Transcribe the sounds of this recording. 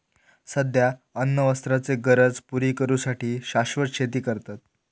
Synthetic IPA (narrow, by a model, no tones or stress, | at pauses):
səd̪ʱjaənːəʋəst̪ɾat͡seɡəɾəd͡zpuɾiːkəɾuːsaʈʰiːɕaɕʋəɾɕʰet̪̬iːkəɾt̪at̪̚